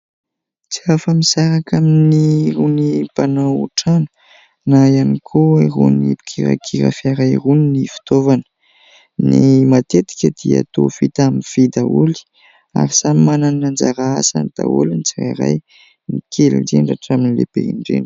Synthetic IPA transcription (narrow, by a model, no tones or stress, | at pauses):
t͡siafəmisaɾakaminiɾunipanawuʈ͡ʂanu̥ | naijanikʰoerṵnipi̥kʰiɾa̰kʰiɾa̰fiaɾajruninifi̥t̪ovanə̥ | nḭmat̪et̪i̥kʲəd̪̥ia̰t̪o̰fit̪aminfid̪auli̥ | a̰ɾisamimanannand͡zaɾaasa̰nd̪̥a̰ṵlint͡sira̰ɾa̰j | nipikʰelḭɖ͡ʐeɳɖ͡ʐaʈ͡ʂaminilḛb̥ḛḭɳɖ͡ʐḛɳɖ͡ʐ̥